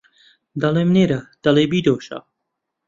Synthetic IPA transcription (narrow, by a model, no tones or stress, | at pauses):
d̪ɐlemneɾɐd̪̥ɐlebiːd̪oːʃɐ̰